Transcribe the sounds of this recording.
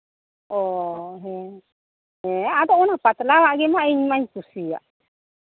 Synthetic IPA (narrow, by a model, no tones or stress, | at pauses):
ɔɦɛ̃ | ɦɛ̃ad̪ɔʔɔnapat̪lawaʔɡɛmaiɲmaɲkusija̰ʔ